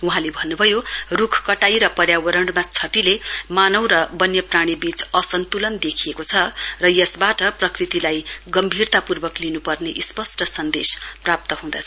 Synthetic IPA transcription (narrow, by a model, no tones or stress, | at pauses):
uɦãlebʱʌnːubʱʌjorukʰkʌʈajɾʌpʌrjawʌɾʌɳɖmat͡sʰʌt̪ilemanʌwɾʌbʌnjʌpraɽ̃ibit͡sʌsʌnt̪ulʌnd̪ekʰijekot͡sʰʌrʌjʌsbaʈʌprʌkrit̪ilajɡʌmbʱirt̪apurbʌklinupʌrneʔispʌsʈʌsʌnd̪ḛsprap̚t̪ʌɦũd̪a̰t͡sʰʌ